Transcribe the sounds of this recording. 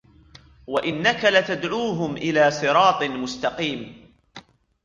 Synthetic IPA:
waʔɪnːakalat̪ad̪ʕuːɦʊmʔɪlaːsˤɨɾˤɑːt̪ˤɨmʊst̪ɑqiːm

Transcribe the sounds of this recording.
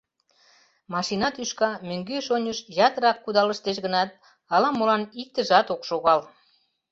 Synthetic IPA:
mɑʃinɑt̪yʃkɑmøŋɡøʃonʲəʃjɑt̪əɾɑkːud̪ɑləʃt̪eʃɣənɑt̪̚ | ɑlɑmolɑnik̚t̪əʒɑt̪okʃoɣɑl

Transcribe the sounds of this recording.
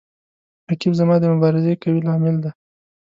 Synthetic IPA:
hakibzamɑd̪əmʊbɑɾɪzekawilɑmɪld̪a

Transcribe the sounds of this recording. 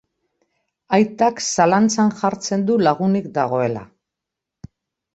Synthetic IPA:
ajt̪aksalant͡sanʝaɾt͡se̞nd̪ulaɣ̞unikd̪aɣ̞o̞e̞la̰

